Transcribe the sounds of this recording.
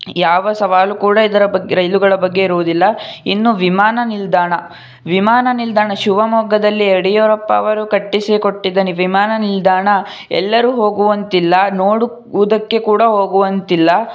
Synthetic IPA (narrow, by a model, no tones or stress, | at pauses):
jaːʋɐsɐʋaːlukuːɽɐid̪ɐɾɐbɐɡɾɐjluɡɐɭɐbɐɡːe̞iɾuʋud̪ilːɐinːuʋimaːnɐnild̪aːɳɐ | ʋimaːnɐnild̪aːɳɐʃuʋɐmɔːɡɐd̪ɐlːieɽijɔɾɐpːɐ̰ːʋɐɾukɐʈːisikoʈːid̪ːɐniʋimaːnɐnild̪aːɳɐ | ɛ̰lːɐɾuɦo̞ːɡuʋɐnt̪ilːɐnoːɽu | ud̪ɐkːe̞kuːɽɐɦo̞ːɡuʋɐnt̪ilːɐ